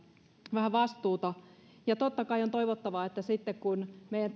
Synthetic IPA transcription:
ʋæhæʋɑst̪uːt̪ɑ | jɑt̪ot̪ːɑkɑiont̪oiʋot̪ːɑʋɑet̪ːæsit̪ːekkunmeˑijænt̪

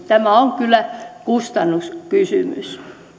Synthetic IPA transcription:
t̪æmæoŋkylːˑækust̪ɑnːuskysymy̰s

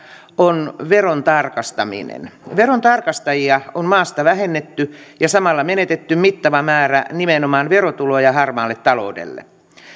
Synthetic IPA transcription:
onʋeront̪ɑrkɑst̪ɑmḭnḛnʋeront̪ɑrkɑst̪ɑjiɑommɑːst̪ɑʋæɦenːet̪ːyjɑsɑmɑlːɑmenet̪et̪ːymmit̪ːɑʋɑmæːrænimenomɑːnʋerot̪ulojɑhɑrmɑːlːet̪t̪ːɑlo̰udḛlːḛ

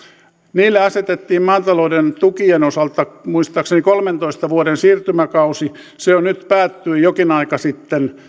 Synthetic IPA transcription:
niːlːeɑset̪et̪ːiːmmɑːt̪ɑloudent̪ukienosɑlt̪ɑmuist̪ɑːksenikolment̪oist̪ɑʋuoɾensiːrt̪ymækɑusi | seonnyt̪pæːt̪ːyijokinɑikɑsit̪ːen

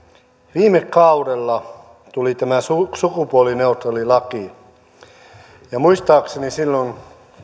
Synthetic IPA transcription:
ʋiːmekːɑuɾelːɑ | t̪ulit̪æmæsusukupuolineut̪relilɑki | jɑmuist̪ɑːksenisilːon

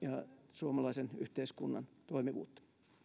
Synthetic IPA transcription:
jɑsuomɑlɑisenyht̪eiskunːɑ̰nt̪oimiʋṵːt̪ː

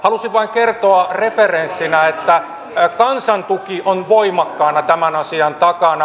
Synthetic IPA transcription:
hɑlusiʋʋɑiŋkert̪oɑreferensːinæet̪ːæ | kɑnsɑnt̪ukiʔonʋoimɑkːɑˑːnɑt̪æmænɑsiɑnt̪ɑkɑnɑ

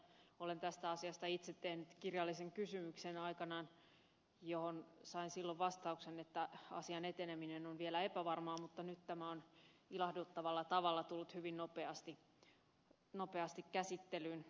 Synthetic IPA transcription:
olent̪æst̪æɑsiɑst̪ɑit̪set̪tːehnyt̪kirjɑlːiseŋkysymyksenɑikɑnɑn | johonsɑinsilːoʋʋɑst̪ɑuksenet̪ːæɑ̰siɑnet̪eneminenonʋielæepæʋɑrmɑːmut̪ːɑnyt̪t̪æmæonilɑhdut̪ːɑʋɑlːɑt̪ɑʋɑlːɑt̪ulːut̪hyʋinnopeɑst̪i | nopeɑst̪ikkæsit̪ːelyːn

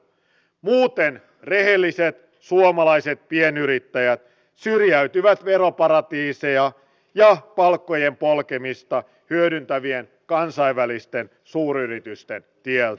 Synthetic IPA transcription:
muːt̪en | re̞ɦelːiset̪ | suomɑlɑiset̪̚pienyɾit̪ːæjæt̪ | syrjæyt̪yʋæt̪ʋe̞ɾopɑɾɑt̪iːsejɑ | jɑpɑlkːojempolkemist̪ɑ | hyødynt̪æʋien | kɑnsɑiʋʋælist̪en | suːɾyrit̪yst̪ent̪ielt̪æ

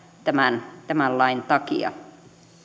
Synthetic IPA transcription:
t̪æmænt̪æmælːɑint̪ɑkḭɑ̰

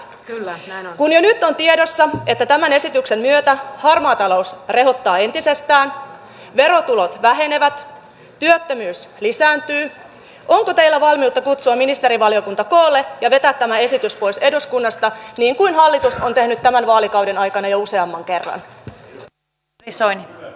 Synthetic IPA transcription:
kunjonyt̪ːo̞nt̪iedo̞sːɑet̪ːæt̪æmæne̞sit̪ykse̞mmyøt̪æhɑrmoɑːt̪ɑlo̞usre̞ɦo̞t̪ːɑːe̞nt̪ise̞st̪æːn | ʋe̞ɾo̞t̪ulo̞t̪ʋæɦe̞ne̞ʋæt̪ | t̪yøt̪ːømyːslisæːnt̪yː | ʔo̞ŋkot̪e̞ilːæʋɑlmiut̪ːɑkut̪suɑminist̪e̞ɾiʋɑliokunt̪ɑkoːlːejɑʋe̞t̪æːt̪ːæmæe̞sit̪yspo̞jse̞duskunːɑst̪ɑniːŋkuinɦɑlːit̪uso̞nt̪e̞hnyt̪ːæmænʋɑːlikɑwdenɑjkɑnɑjouse̞ɑmːɑŋke̞rːɑ̰n | isoin

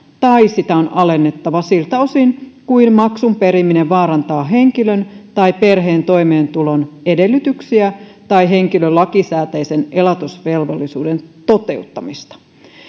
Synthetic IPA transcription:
t̪ɑisit̪æonɑle̞nːe̞t̪ːɑʋɑsilt̪æo̞sinkuinmɑksumpe̞ɾimːine̞ʋʋɑːɾɑnt̪ɑːɦe̞ŋk̟ilønt̪ɑjpe̞rɦe̞ːnt̪o̞jme̞ːnt̪ulo̞ne̞de̞lːyt̪yksiæt̪ɑjɦe̞ŋk̟ilølɑkisæːt̪ejse̞ne̞lɑt̪usʋe̞lʋolːisuːde̞nt̪o̞t̪e̞ut̪ːɑmist̪ɑ̥

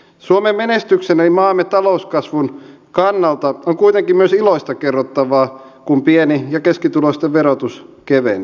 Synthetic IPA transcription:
suomemmenest̪yksenelimɑːmːett̪ɑlouskɑsʋun | kɑnːɑlt̪ɑoŋkuit̪eŋkimmyøsiloist̪ɑkerːot̪ːɑʋɑː | kumpienijɑkeskit̪ulost̪eʋʋerot̪uskeʋḛn

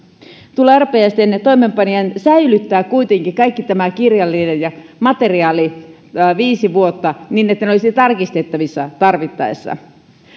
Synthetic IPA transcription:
t̪ulːeærpejæst̪ent̪oimempɑniensæilyt̪ːæːkkuit̪eŋkikɑikːit̪æmækirjɑlːinenjɑmɑt̪eriɑːli | ʋiːsiʋuot̪ːɑniːnet̪ːæneolisit̪ɑrkist̪et̪ːɑʋisːɑt̪ɑrʋit̪ːɑ̰esːɑ̰

